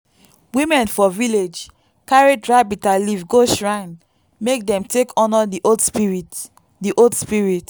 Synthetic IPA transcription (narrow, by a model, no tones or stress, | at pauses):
wĩmɛ̃nfɔviled͡ʒ | kaɹidɹabitalivɡoʃɹãɪ̃n | mek̚dɛ̃mtʰekʰɔ̃nɔdiʔodspiɹit | diʔodspiɹit